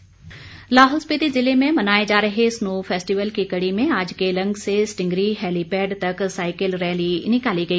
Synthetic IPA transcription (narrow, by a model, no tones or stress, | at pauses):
laːɦʊlspit̪izɪlemẽmɐnaːed͡ʑaːɾɐɦesnoːfeːsʈiʋəlkikɐɽimẽaːd͡ʒkelɐ̃ŋɡsesʈɪ̃ŋɡɾiɦɛːlipɛːɖt̪ɐksaːɪkəlɾɛːlinɪkaːliɡɐiː